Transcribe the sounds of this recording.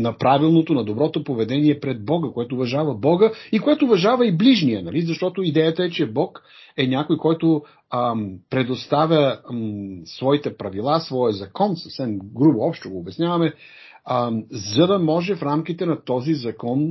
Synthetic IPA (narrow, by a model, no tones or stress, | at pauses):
nɐpɾavilˠnot̪onɐd̪obɾɔt̪opovɛd̪ɛniɛpɾɛd̪̚bɔɡəkoɛt̪oːvɐʒavɐbɔɡəikoɛt̪oːvɐʒavɐibliʒnijənɐlizɐʃt̪ɔt̪oid̪ɛjət̪əɛt͡ʃɛbɔk | ɛnʲakojkɔjt̪o | pɾɛd̪ost̪avʲə | svɔit̪ɛpɾɐvilˠasvɔjəzɐkɔnsɐfsɛmɡɾuboɔpʃt̪oɡoːbɛsnʲjavɐmɛ | zɐd̪ɐmɔʒɛfɾamkit̪ɛnɐt̪ɔzizɐkɔn